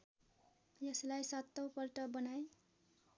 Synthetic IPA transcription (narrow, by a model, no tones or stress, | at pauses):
jʌslajsʌt̪ːowpʌlʈʌbʌnaj